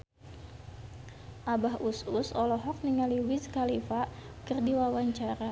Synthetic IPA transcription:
ʔabaɦususɔlɔɦɔk̚niŋaliwiskalifa | kɨrdiwawaɲt͡ʃaɾa

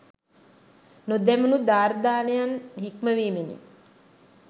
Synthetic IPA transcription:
nod̪ɛmunud̪aːɾd̪aːnejanɦikməʋiːmenḭ

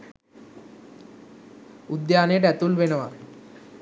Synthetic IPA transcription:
ud̪janeʈɛt̪ulʋenəʋa̰

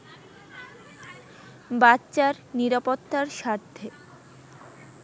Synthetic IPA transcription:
batːɕaɾ | niɾapot̪ːaɾʃaɾt̪ʰːe

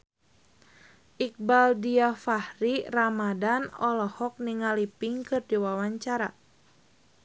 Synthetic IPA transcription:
ʔik̚baldiafahriramadanɔlɔhɔk̚niŋalipiŋkɨrdiwawaɲt͡ʃaɾa̰

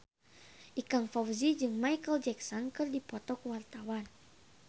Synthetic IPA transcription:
ʔikaŋfawzid͡ʒɨŋmajkəld͡ʒɛksɔnkɨrdipɔt̪ɔkwart̪awan

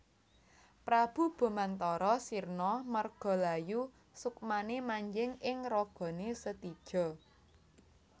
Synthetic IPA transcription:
pɾab̥ṳb̥o̤mant̪ɔɾɔsirnɔmərɡ̥ɔ̤laju | sukmanemaɲd͡ʒɪŋɪŋrɔɡ̥ɔ̤nesət̪id̥ʒ̥ɔ̤

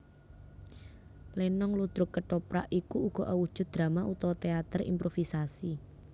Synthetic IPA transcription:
lenɔŋlud̪̥ɾʊkːəʈɔpɾa̰ʔikuːɡ̥ɔ̤ʔawud̥ʒ̥ʊ̤t̪̚d̪̥ɾa̤maʔut̪ɔt̪eat̪ərḭmpɾofisasi

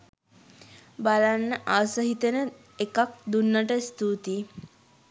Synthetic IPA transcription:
balanːəʔaʋəsəɦit̪ənə | ekak̚d̪unːəʈəst̪uːt̪i

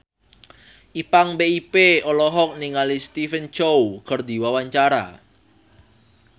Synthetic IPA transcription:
ʔipaŋbeipeɔlɔɦɔk̚niŋalist̪ifənt͡ʃowkərd̪i̤wawaɲt͡ʃaɾa̰

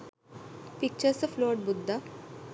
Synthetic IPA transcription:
pik̚t͡ɕəɾsəfloɖ̚bud̪ʱːa

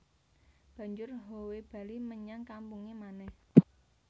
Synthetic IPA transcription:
b̥ä̤ɲd͡ʒʊrɦoweb̥a̤liməɲaŋkampuŋemanɛh

